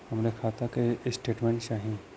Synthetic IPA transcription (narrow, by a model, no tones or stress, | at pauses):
hɐmɾekʰaːt̪akesʈeːʈmɛ̃ɳʈt͡ʃaːɦĩ